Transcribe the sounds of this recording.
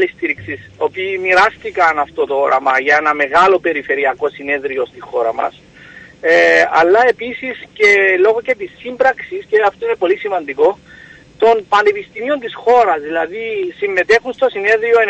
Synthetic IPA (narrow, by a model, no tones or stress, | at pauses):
list̪iɾiksisoopiːmiɾɐst̪ikɐnɐft̪o̞t̪ooɾɐ̰mɐʝɐe̞nɐme̞ɣɐlo̞pe̞ɾife̞ɾiɐko̞sine̞ðɾio̞st̪ixo̞ɾɐ̰mɐ̰s | ɐlːɐe̞pisisce̞lo̞ɣo̞ce̞t̪isːimbɾɐksisceɐft̪oine̞po̞lisimɐnd̪iko̞ | t̪o̞npɐnepist̪imio̞nt̪isxo̞ɾɐzðilɐðisimːe̞t̪e̞xunst̪o̞sine̞ðɾioe